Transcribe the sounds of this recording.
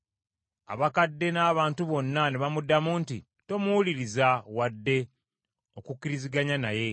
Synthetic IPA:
a̰βakadːe̞naːβaːntuβo̞nːaneβamudːamunti | to̞muwuliɾizawadːe̞ | o̞kukːiɾiziɡaɲanaje̞

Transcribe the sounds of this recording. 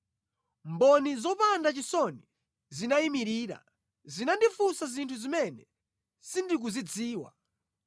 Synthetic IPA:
mbɔnizɔpandat͡ʃisɔni | zinaimiɾiːɾa̰ | zinandifusazintʰuzimɛnɛ | sindik̬uzid͡ziːwa̰

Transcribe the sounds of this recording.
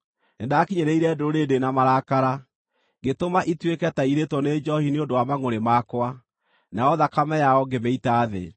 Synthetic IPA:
endaːkiɲeɾeiɾɛdooɾedenamaɾakaɾa | ɡetomaʔitwekɛtaiɾetwɔned͡ʒɔhiniondowamaŋoɾemakwa | naɔðakamɛjaɔɡemeitaːðḛ

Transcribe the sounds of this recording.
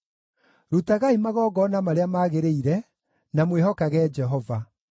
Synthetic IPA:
ɾutaɣaimaɣɔːɣɔnamaɾeamaːɣeɾeiɾɛ | namwehɔkaɣɛːd͡ʒɛɦɔva

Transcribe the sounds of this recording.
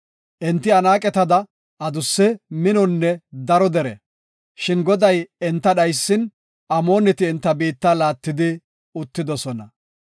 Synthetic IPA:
ʔɛnt̪ːɪɐnaːkʼɛt̪ɐd̪ɐ | ʔɐd̪ʊsːɛmɪnɔnːɛd̪ɐɾɔd̪ɛɾɛ̰ | ʃɪnɡɔd̪ɐjɛnt̪ːɐɗɐjsːɪn | ʔɐmo̞ːnɛt̪ɪːnt̪ːɐbiːt̪ːalaːt̪ːɪd̪ɪ | ʊt̪ːɪd̪ɔsɔnɐ

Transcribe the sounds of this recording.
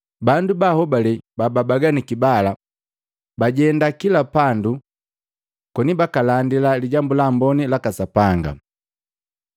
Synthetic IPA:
bandubahɔbalɛbababaɡanikibala | baɟɛndakilapandu | kɔnibakalandilaliɟambulambɔnilakasapaŋɡa̰

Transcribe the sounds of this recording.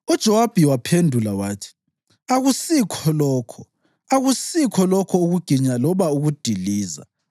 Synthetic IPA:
ud̥ʒ̥ʱɔwab̥ʱiwapʰendʱulawaːtʰi̥ | aɣusikʰɔlɔːkʰɔ | aɣusikʰɔlɔkʰɔuɣuɡ̥ʱiɲalɔβauɣud̥ʱiliːza̰

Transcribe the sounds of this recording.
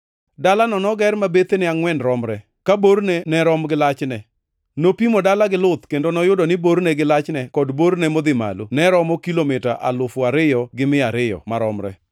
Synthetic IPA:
dalanɔnɔɡɛrmabet̪enɪaŋwɛnɾɔmɾɛ | kaboɾnenɛɾɔmɡɪlat͡ʃnɛ | nopimodalaɡɪlʊt̪kendonɔjʊdɔnɪboɾnɛɡɪlat͡ʃnɛkɔdboɾnɛmɔd̪ɪma̰lonɛɾɔmɔkilomɪta̰ʔa̰lʊfʊaɾɪjɔɡɪmɪaɾɪjɔ̰maɾɔmɾɛ̰

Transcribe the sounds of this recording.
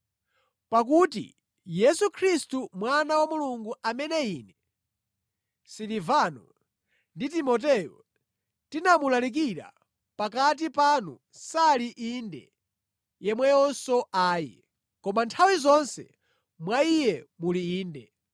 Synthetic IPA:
pak̬utḭ | jɛsukʰɾistumwanawamuluŋɡuamɛnɛinɛ | silivanɔ | nditimɔt̬ɛjɔ | tinamulalik̬iɾa̰ | pakat̬ipanu | saliʔindɛ̰ | jɛmwɛjɔnsɔʔaːjḭ | kɔmantʰawizɔnsɛ̰ | mwaijɛmuliiːndɛ

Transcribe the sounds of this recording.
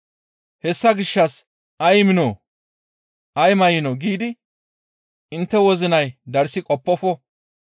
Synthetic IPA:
hɛsːɐɡɪʃːɐs | ʔɐjmɪno | ʔɐjmɐjɪnɔɡiːd̪ɪ | ɪnt̪ːɛwɔzɪnɐjd̪ɐɾsɪkʼɔpːɔfɔ

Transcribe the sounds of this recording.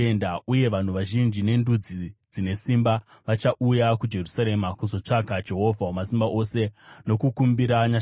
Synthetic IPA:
endauje̞ʋan̤uʋaʒind͡ʒine̞ndud͡zid͡zine̞simba | ʋat͡ʃaʔujakud͡ʒe̞rusaɾe̞makuzo̞t͡ʂakad͡ʒe̞ɦo̞vʱaɦomasimbaʔo̞se̞no̞kukumbiɾaɲa

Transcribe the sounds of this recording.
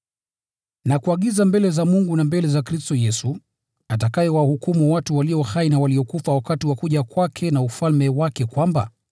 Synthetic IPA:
nakuaɠizambɛlɛzamuŋɡunambɛlɛzakɾistɔjɛsu | atakajɛwahukumuwatuwaliɔhainawaliɔkufawakatiwakuʄakwakʰɛnaufalmɛwakɛkwamba̰

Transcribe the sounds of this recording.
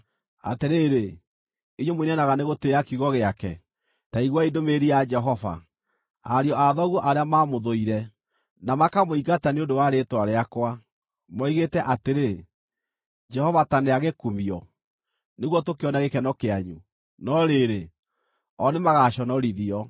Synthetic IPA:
a̰teɾeːɾe | iɲomwinɛnaɣaneɣoteakiuɣɔɣeakɛ | taiɣwaidomeɾiad͡ʒɛɦɔva̰ | a̰ɾiɔʔaðɔɣwɔʔaɾeamamoðoiɾɛ | namakamoiɣataneondowaɾetwaɾeakwa | mɔiɣetɛʔateɾe | d͡ʒɛhɔvataneaɣekumiɔ | neɣwɔtokeɔnaɣekɛnɔkeaɲu | nɔɾeɾe | ɔnemaɣaɕɔnɔɾiðiɔ

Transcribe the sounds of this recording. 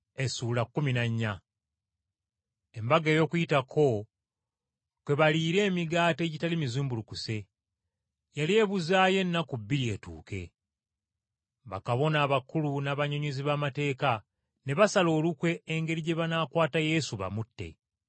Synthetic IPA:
e̞suːlakːuminaɲːa | embaɡe̞ːjo̞ːkujitakʰo̞ | kwe̞βaliːɾe̞ːmiɡaːte̞ːɟitalimizuːmbulukuse̞ | jalie̞βuzaːje̞nːakubːiɾie̞tṵːke̞̰ | βa̰kaβo̞naːβakulunaːβaɲoɲuziβaːmate̞ːka | ne̞βasalo̞ːlukwe̞ːŋɡe̞ɾiɟe̞βanaːkwaːtaje̞suβa̰mutːe̞̰

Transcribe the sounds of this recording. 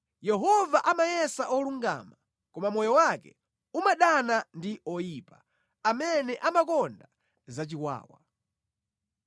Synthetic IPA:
jɛɦɔvaʔamajɛsaʔɔluŋɡa̰ːma | kɔmamɔjɔwakɛ̰ | umaɗanandiɔjiːpa | amɛnɛʔamakɔnda | zat͡ʃikwa̰ːwa

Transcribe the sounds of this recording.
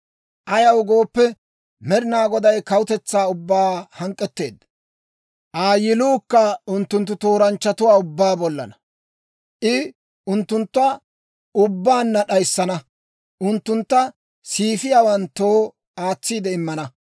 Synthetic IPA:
ʔɐjɐwɡo̞ːpːɛ | mɛɾɪnaːɡɔd̪ɐjkɐwʊt̪ɛt͡sːaːʊbːaːhɐŋkʼːɛt̪ːe̞̰ːd̪ːɐ | ʔaːjɪluːkːɐʊnt̪ːʊnt̪̬ːʊt̪o̞ːɾɐnt͡ʃːɐt̪ʊwaːʊbːaːbɔlːɐ̰nɐ | ʔɪ | ʊnt̪ːʊnt̪ːɐ | ʊbːaːnːɐɗɐjsːɐnɐ | ʔʊnt̪ːʊnt̪ːɐ | siːfɪjaːwɐnt̪ːoː | aːt͡sːiːd̪ɛɪmːɐnɐ

